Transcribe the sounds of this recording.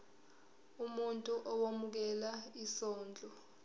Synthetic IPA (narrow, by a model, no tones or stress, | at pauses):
umuntʼuʔɔwomuk̬ɛlaisɔːnd͡ɮʱɔ